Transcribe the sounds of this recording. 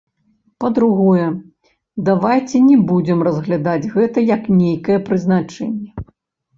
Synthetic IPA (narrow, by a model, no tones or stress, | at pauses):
pɐd̪ɾuɣɔjɛ | d̪avajt͡sʲɛnʲɛbud͡zʲɛmrɐzɣlʲad̪ad͡zʲɣɛt̪ɐjɐknʲejkɐjɛpɾɨznat͡ʂɛ̰nʲːɛ